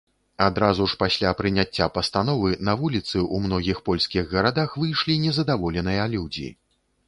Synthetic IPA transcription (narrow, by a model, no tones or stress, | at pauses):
ad̪ɾazuʂpasʲlʲapɾɨnʲat͡sʲːapɐst̪anɔvɨnɐvulʲit̪sɨʔumnɔɣʲixpɔlʲskʲiɣɣɐɾad̪axvɨjʂlʲinʲɛzɐd̪avɔlʲɛnɨjɐlʲuwd͡zʲḭ